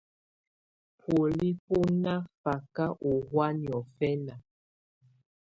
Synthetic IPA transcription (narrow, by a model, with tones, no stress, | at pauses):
pʰwo˨li˦po˦na˦fa˨ka˦ʔo˨hwa˦njɔ˨fɛ˦na˨